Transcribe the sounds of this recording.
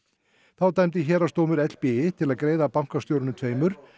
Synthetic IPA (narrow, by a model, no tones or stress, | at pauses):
θawt̪ajmt̪ɪçɛːɾast̪oːwmʏɾɛt̪l̥piɪt̪ʰɪlaðkɾeːjðapaŋ̥kast̪jowɾʏnʏt̪ʰv̥eːjmʏɾ̥